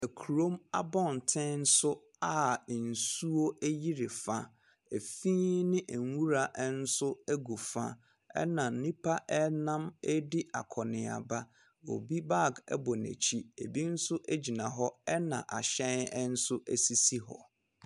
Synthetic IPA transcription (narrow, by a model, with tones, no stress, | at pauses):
e˨kʰu˨ɾo˦ma̰˦bɔ̃˦n˨tʰɪ̃˦n̩˦sʊ˦ | a˨n̩˨su˦o˦æ˦ji˦ɾe˨fã˦ | e˨fĩː˦nɪ̃˦ʔŋ˨wu˦ɾa˨ʔɛ˦n̩˦sʊ˦æ˦ɡu˨fã̰˦ | ɛ̰˦nã˨nĩ˦pʰa˦ʔɛ˦nã˦mɛ˦dɪ˦a̰˨kʰɔ˨nɪ̃˨a̰˨ba˦ | o̰˨bi˦ba˦˨ɡɛ̰˦bɔ˨nḛ˨t͡ɕʰi˦ḛ˨bi˦n̩˦sʊ˦ʔæ˦d͡ʑi˨nã˨ɦɔ˦ɛ˦nã̰˨ʔa˨ɕɛ̃˦nɛ˦n̩˦sʊ˦ʔæ˨si˦si˦ɦɔ̰˨